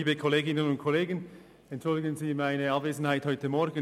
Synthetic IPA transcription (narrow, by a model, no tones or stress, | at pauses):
iːbəkʰoleːɡɪnənʊnt̚kʰoleːɡən | ɛntt͡ʃʊldɪɡənziːmaɪnəɑbv̥eːzn̩haɪthɔʏtəmɔɾɡn